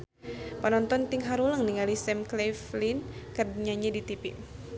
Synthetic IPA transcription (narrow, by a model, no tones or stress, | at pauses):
pənɔnt̪ɔnt̪iŋɦaɾuləŋniŋalisɛmkleflinkərdɲaɲadit̪ipi